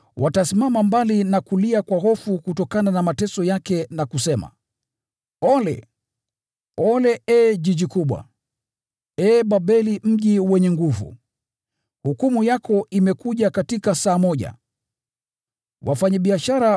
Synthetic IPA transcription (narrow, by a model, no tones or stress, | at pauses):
watasimamambalinakuliakwaɦɔfukutɔkananamatɛsɔjakɛnakusɛma̰ | ɔlɛ̰ | ɔlɛɛʄiʄikuɓwa̰ | ɛːɓaɓɛlim̩ʄiwɛɲɛŋɡuvṵ | hukumujakɔʔimɛkuʄakatikasaːmɔʄa̰ | wʔa̰faɲaɓiaʃaɾa